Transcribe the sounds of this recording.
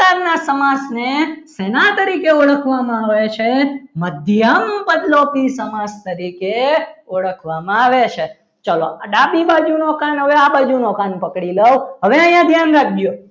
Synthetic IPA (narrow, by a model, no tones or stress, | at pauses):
aɾnasəmasnesenat̪əɾikeoɭəkʰʋamãaʋet͡ʃʰeməd̪ʱjəmbəd̪lopisəmast̪əɾikeoɭəkʰʋamãaʋet͡ʃʰe | t͡ʃəloɖabibad͡ʒunokanɦəʋeabad͡ʒunokanpəkɽiləwɦəʋeə̃jãd̪ʱjanɾak̚ʰd͡ʒjo